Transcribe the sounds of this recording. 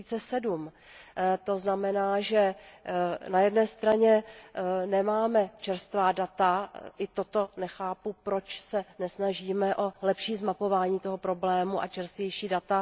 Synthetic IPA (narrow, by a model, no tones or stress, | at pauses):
iːt͡sɛsɛdum | t̪o̞znamɛnaːʒɛ | najɛdnɛːst̪ɾaɲɛ | nɛmaːmɛt͡ʃɛɾst̪vaːdat̪aʔɪt̪ot̪o̞nɛxaːpupɾo̞t͡ʃsɛnɛsnaʒiːmɛʔo̞lɛpʃiːzmapo̞vaːɲiːt̪o̞ɦo̞pɾo̞blɛːmuʔa̰t͡ʃɛɾst̪vjɛjʃiːdat̪a